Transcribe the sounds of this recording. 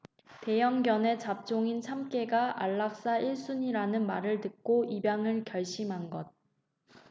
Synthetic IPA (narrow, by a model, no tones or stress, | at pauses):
te̞jʌŋɡjʌne̞t͡ɕap̚t͡ɕ͈oŋint͡ɕʰamk͈e̞ɡaʔaɭːak̚s͈aiɭs͈uɲiɾanɯnmaɾɯɭtɯk̚k͈oibjaŋɯɭkjʌɭɕ͈imɦanɡʌd̚